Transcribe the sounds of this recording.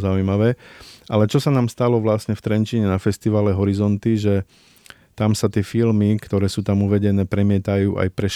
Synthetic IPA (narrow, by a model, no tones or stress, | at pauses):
zaujmaʋɛːʔalɛt͡ʃɔsanaːmst̪alɔʋlasɲɛft̪ɾɛnt͡ʃiɲɛnafɛst̪iʋaːlɛɦɔɾizɔnt̪iʒɛ | t̪amsat̪ɪɛfilmikt̪ɔɾɛːsuːt̪amuʋɛɟɛnɛːpɾɛmɪɛt̪ajuːʔa̰jpɾɛʃ